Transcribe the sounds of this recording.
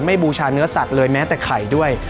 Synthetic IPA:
nma˥˩jbuː˧t͡ɕʰaː˧nɯ˦˥ɐsa˨˩k̚lɤː˧jmɛː˦˥t̪ɛː˨˩kʰa˨˩jdu˥˩əj

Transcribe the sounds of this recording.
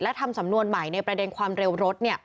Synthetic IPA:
lɛ˦˥t̪ʰa˧msa˩˦mnu˧ənma˩˦jna˧jpɾa˧de˧nkʰwaː˧mɾe˧wɾo˦˥t̪̚ni˥˩ɐ

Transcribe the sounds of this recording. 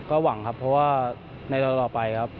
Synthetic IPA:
kɔː˥˩wa˩˦ŋkʰa˦˥pʰːɾɔ˦˥waː˥˩ | na˧jt̪ɔː˧t̪ɔː˨˩pa˧jkʰa˦˥p̚

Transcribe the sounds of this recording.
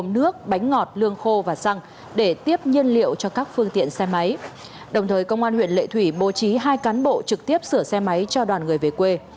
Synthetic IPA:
ŋ͡mnɨ˦˥ək̚ɓa˨˦jŋ̟ŋɔ˨˩t̚lɨ˧əŋxo˧vaː˨˩sa˧ŋ | ɗe˧˩t̪i˦˥əp̚ɲi˧ənlḭ˧˨əwt͡ɕɔ˧kaː˦˥k̚fɨ˧ŋt̪ḭ˧˨ənsɛ˧ma˨˦j | ɗə˨˩wŋ͡mt̪ʰəː˨˩jkə˧wŋ͡mʔaː˧nhwḭ˧˨ənlḛ˧˨t̪ʰwi˧˩ɓo˨˩˦t͡ɕi˨˦ɦaː˧jkaː˨˦nɓo̰˧˨t͡ɕɨ˨˩k̚t̪i˦˥əp̚sɨ˧˩əsɛ˧ma˨˦jt͡ɕɔ˧ɗwaː˨˩nŋɨ˨˩əjve˨˩kwe˧

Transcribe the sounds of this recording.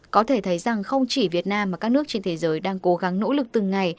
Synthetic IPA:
kɔ˨˦t̪ʰe˧˩t̪ʰə˨˦jza˨˩ŋxə˧wŋ͡mt͡ɕi˧˩vi˨˩ət̚naː˧mːa˨˩kaː˦˥k̚nɨ˦˥ək̚t͡ɕe˧nt̪ʰe˨˦zəː˨˦jɗaː˧ŋko˨˦ɣa˨˦ŋno̰˧˥lɨ˨˩k̚t̪ɨ˨˩ŋa˨˩j

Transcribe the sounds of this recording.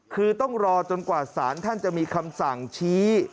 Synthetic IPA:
kʰɯː˧t̪ɔ˥˩ŋɾɔː˧t͡ɕo˧nkwaː˨˩saː˩˦nt̪ʰa˥˩nt͡ɕa˨˩ʔmiː˧kʰa˧msa˨˩ŋt͡ɕʰiː˦˥

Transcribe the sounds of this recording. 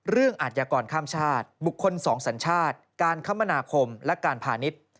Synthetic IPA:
ɾɯ˥˩əŋʔa˨t̪̚jaː˧kɔː˧nkʰaː˥˩mt͡ɕʰaː˥˩t̪̚bu˨˩kʰːo˧nsɔː˩˦ŋsa˩˦nt͡ɕʰaː˥˩t̪̚kaː˧nkʰa˦˥mːa˧naː˧kʰo˧mlɛ˦˥kaː˧npʰaː˧ni˦˥t̪̚

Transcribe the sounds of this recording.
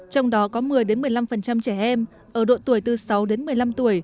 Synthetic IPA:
t͡ɕɔ˧wŋ͡mɗɔ˨˦kɔ˨˦mɨ˨˩əjɗe˨˦nmɨ˨˩əjla˧mfə˨˩nt͡ɕa˧mt͡ɕɛ˧˩ʔɛ˧m | ʔəː˧˩ɗo̰˧˨t̪u˧˩əjt̪ɨ˨˩sa˨˦wɗe˨˦nmɨ˨˩əjla˧mt̪u˧˩əj

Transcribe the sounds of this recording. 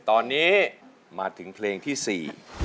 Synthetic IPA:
t̪ɔː˧nːiː˦˥ | maː˧t̪ʰɯ˩˦ŋpʰleː˧ŋt̪ʰiː˥˩sḭː˨˩

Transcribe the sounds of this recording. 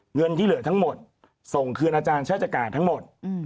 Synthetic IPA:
ŋɤ˧nt̪ʰiː˥˩lɯ˨˩˦ət̪ʰa˦˥ŋmo˨˩t̪̚ | so˨˩ŋkʰɯ˧ənʔaː˧t͡ɕaː˧nt͡ɕʰa˥˩tt͡ɕaː˧˩kaː˨˩t̪ʰːa˦˥ŋmo˨˩t̪̚

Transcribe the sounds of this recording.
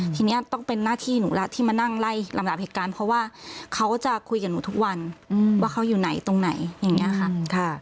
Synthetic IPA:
t̪ʰiː˧ni˦˥ɐ˨t̪ɔ˥˩ŋpe˧nːaː˥˩t̪ʰiː˥˩nuː˩˦lɛ˦˥t̪ʰiː˥˩maː˧na˥˩ŋla˥˩jla˨˦mda˨˩p̚heː˨˩t̪̚kaː˧npʰɔ˦˥waː˥˩kʰa˦˥wt͡ɕa˨˩kʰu˧jka˨˩nːuː˨˦t̪ʰu˦˥k̚wa˧nwaː˥˩kʰa˦˥wjuː˨˩na˨˩˦jt̪o˧ŋna˩˦jja˨˩ŋni˦˥ɐ˧kʰa˧˥kʰa˧˩

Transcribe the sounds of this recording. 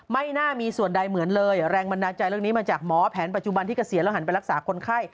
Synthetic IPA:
ma˥˩jnaː˥˩miː˧su˨˩ənda˧jmɯ˨˩˦ənlɤː˧jɾɛː˧ŋba˧ndaː˧t͡ɕa˧jɾɯ˥˩niː˦˥maː˧t͡ɕaː˨˩k̚mɔː˩˦˥pʰɛː˩˦np̬a˨˩t̪̚t͡ɕu˨˩ba˧nt̪ʰiː˥˩ka˧˩si˨˩˦lɛː˦˥˩ɦa˩˦np̬a˧jɾa˥k̚saː˩˦kʰo˧nkʰa˥˩j

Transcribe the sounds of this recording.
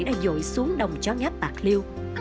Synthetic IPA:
jɗa̰ː˧˥˩zo̰˧˨jsu˨˦əŋɗə˨˩wŋ͡mt͡ɕɔ˧˦ŋa˦˥t̚t̪aː˨˩k̚li˧w

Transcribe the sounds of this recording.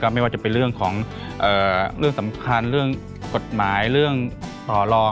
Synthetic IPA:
kɔː˥˩ma˥˩jwaː˧˩t͡ɕa˨˩pe˧nɾɯ˥˩əŋkʰɔː˩˦ŋ | ʔɤː˨˩ɾɯ˥˩əŋsa˩˦mkʰa˧nɾɯ˥˩əŋ | ko˨˩t̪̚maː˩˦jɾɯ˥˩əŋt̪ɔː˨˩lɔː˧

